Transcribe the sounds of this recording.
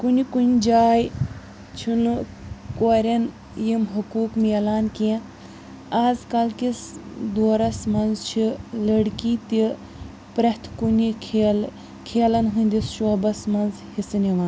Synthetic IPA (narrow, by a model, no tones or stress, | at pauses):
kunikunʲd͡ʒaːj | t͡ʃʰin | koːɾɐn | jimɦukuːkmiɐlaːnkiẽ | aːzkɐlkisd̪oːɾɐsmɐnzt͡ʃʰilɐɽkit̪i | pɾɐt̪ʰkunʲikʰel | kʰeːlɐnɦunʲd̪isʃoːbɐsmɐnz | hisɨniʋaːn